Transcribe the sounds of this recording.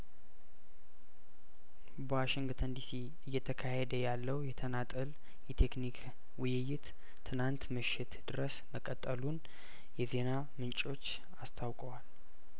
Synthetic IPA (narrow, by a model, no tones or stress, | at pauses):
bəwaʃɪŋɡt̪ʰənd̪isi | ɨjːɛt̪ʰəkʰahed̪əjalːəwjɛt̪ʰənat̪ʼəl | jɛt̪ʰe̞knikʰ | wʊjɪjɪt̪ | t̪ʰːɨnant̪məʃːɪt̪d̪̥ɨɾəsməkʼət̪ʼːəlun | jɛze̞na | mɨnt͡ʃʼo̞t͡ʃː | ast̪ʰawkʼəwal